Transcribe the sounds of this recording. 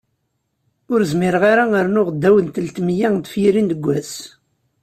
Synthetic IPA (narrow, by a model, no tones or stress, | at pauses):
ʊɾzmɪɾʁaɾaəɾnʊʁd̪ːæwənt̪əlt̪mjæŋd̪fjiɾind̪əɡʷːæs